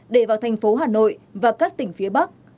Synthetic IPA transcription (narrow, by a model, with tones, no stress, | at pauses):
ɗe˧˩vaː˨˩wt̪ʰɛ˨˩jŋ̟fo˨˦ɦaː˨˩no̰˧˨jvaː˨˩kaː˦˥k̚t̪ï˧˩ŋ̟fi˨˦əɓa˦˥k̚